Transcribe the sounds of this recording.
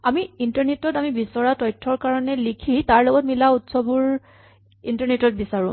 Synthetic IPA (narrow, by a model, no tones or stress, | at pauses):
amiintaɹnetɔtamibisɔɹatɔjtʰːɔɹkaɹɔnɛlikʰitaɹlɔɡɔtmilautsɔbʊɹ | intaɹnetɔt̚bisaɹʊ̃